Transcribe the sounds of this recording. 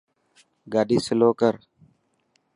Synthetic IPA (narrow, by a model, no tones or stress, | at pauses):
ɡaːɗiːsəloːkəɾ